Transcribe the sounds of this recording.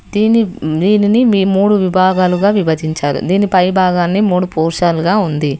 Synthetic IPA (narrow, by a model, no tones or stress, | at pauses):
d̪iːnid̪iːniniimuːɽuʋibʱaːɡaːluɡaːʋiʋɐd͡ʒ̪iɲt͡ʃaːɾṵd̪iːnipɐjbʱaːɡaːnːimuːɽupɔːɾʃaːluɡaːund̪i